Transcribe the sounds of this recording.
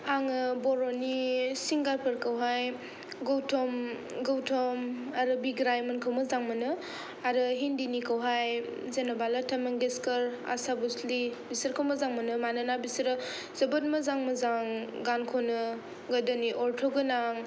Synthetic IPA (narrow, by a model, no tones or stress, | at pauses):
aŋɯbɔɾonisiŋɡaɾpʰɐɾkɐwɦaj | ɡowtʰɔm | ɡowtʰɔmaɾɯbiɡɾajmɐnkʰawmɐzaŋmɐnɯ | aɾɯɦindinikʰawɦaj | zenɐbalatʰɐmeŋdeskɐɾa̰sabuslibisɐɾkʰɐwmɐzaŋmɐnɯmananabisɾɯ | z̥ɐbɐt̚mɐzaŋmɐzaŋɡankʰɔnɯ | ɡɐdɐniʔɔɾtʰɔɡɯnaŋ